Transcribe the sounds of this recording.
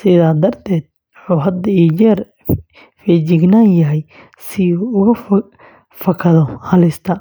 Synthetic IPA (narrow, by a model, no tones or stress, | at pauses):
sɪðaːd̪ɐrt̪ʰɛːd̪̚ | ħuːɦɐd̪ɐit͡ʃɛːr | fid͡ʒɪɡnaŋjɐɦɛj | sɪʊɣɐf | fɐkʰɐðɔhɐlɪst̪ʰɐ